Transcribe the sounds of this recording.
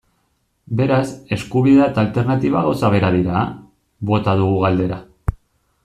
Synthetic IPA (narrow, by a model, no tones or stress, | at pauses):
be̞ɾase̞skuβiðat̪alt̪e̞ɾnat̪iβ̞aɣowsaβ̞e̞ɾaðiɾa | βo̞t̪aðuɣuɣ̞ald̪e̞ɾa